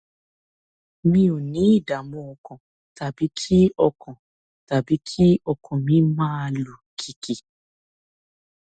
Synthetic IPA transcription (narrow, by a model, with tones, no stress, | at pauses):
mĩ˧o˨nĩ˨˦i˦˨da˨mɔ̃˧ɔ˨kɔ̃˨ | ta˨bi˨˦kʰi˦ɔ˧kʰɔ̃˨ | ta˨bi˨˦kʰi˦ɔ˧kʰɔ̃˨mĩ˧˦mãː˦˧lu˨kʰi˨ki˨